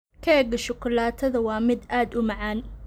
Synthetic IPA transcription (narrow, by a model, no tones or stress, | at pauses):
kʰɐɛɡɐʃʊkʰʊlaːt̪ʰɐðɐwɑːmɪd̪aːd̪ʊmɑʕaːn